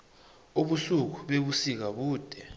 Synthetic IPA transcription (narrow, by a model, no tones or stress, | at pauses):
oɓuɬuk̬uɓeɓusik̬aɓuːd̥ʱɛ